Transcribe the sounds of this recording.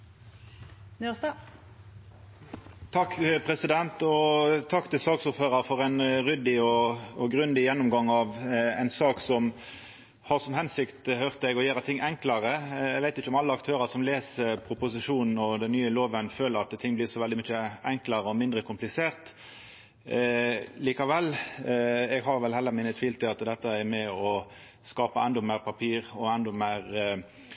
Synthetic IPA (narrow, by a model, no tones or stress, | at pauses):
nysɑ | t̪ʰɑkːpʰʁɛsɪd̪ɛnt̪ɔt̪ʰɑkːt̪ʰɪlsɑːksʊɾføːʁəɾfɔʁæɪnʁʏd̪ɪɔɔɡʁʉnd̪ɪjɛnːʊmɡɑŋːɑʋæɪnsɑːksɔm | hɑʁsɔmhɛnsɪkt̪høʁt̪əɛɡɔjæːɾət̪ʰɪŋːʔɛŋklɑʁəɛɡʋæɪt̪ɪçːəʊmɑlːəɑkt̪ʰøːʁɑʁsɔmleːsəɾpʰʁʊpʊsɪʂuːnn̩ɔd̪ɛnːyːəloːʋənføːləɾɑt̪t̪ʰːɪŋːblɪʁsɔʋɛld̪ɪmʏçəɛŋklɑɾəɔmɪnd̪ʁəkʰʊmplɪseːʁt̪ | liːkɑʋɛlː | ɛɡɦɑɾʋɛlhɛlːəʁmɪnːət̪ʰʋiːlt̪ɪɑt̪d̪ɛt̪ːəɛɾmɛɔ | skɑːpəʔɛnd̪ɔmeɪʁpʰɑpʰiːɾɔɛnd̪ɔmæɪɾ